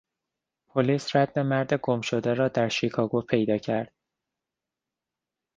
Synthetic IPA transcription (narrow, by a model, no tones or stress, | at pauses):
pʰoliːsræd̪̚be̞mæɾd̪e̞ɡo̞mʃo̞d̪eɾɒːd̪æɾʃikʰɒːɡopʰe̞jd̪ɒːcʰæɾd̪̥̚